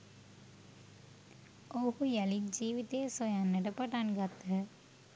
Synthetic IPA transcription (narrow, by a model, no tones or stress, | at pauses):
oɦujælid͡ʒiːʋit̪ejsojanːəʈəpaʈanɡat̪ə